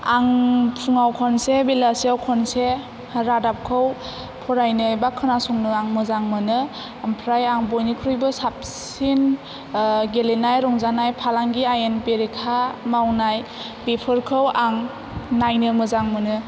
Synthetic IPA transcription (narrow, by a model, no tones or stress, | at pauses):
aŋpʰuŋawkʰɔnsebelasiawkʰɔnse | ɾadap̚kʰɯw | pʰɔɾajnɯjbakʰɯnasɔŋnɯaŋmɯzaŋmɯnɯ | ampʰɾajaŋbɔjnikʰɾujbɯsap̚s | in | ɡelenajɾɔŋzanajpʰalaŋɡiajenpeɾikʰamawnaj | bepʰɯɾkʰɯwaŋ | najnɯmɯzaŋmɯnɯ